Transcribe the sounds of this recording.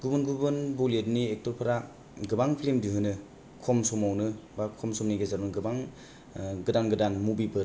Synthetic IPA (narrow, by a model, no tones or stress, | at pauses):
ɡ̥ubɯnɡubɯnboledniek̚tɔɾpʰaɾa | ɡɯbaŋpʰlemdiɦɯnɯ | kʰɔmsɔmawnɯbakʰɔmsɔmniɡezaɾnɯɡɯbaŋ | ɡɯdanɡɯdanmubipɯɾ